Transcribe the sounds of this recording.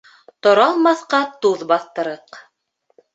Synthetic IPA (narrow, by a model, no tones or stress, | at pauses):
t̪ŏɾɑlˠmɑθqɑt̪uðbɑθt̪ɤ̆ɾɤq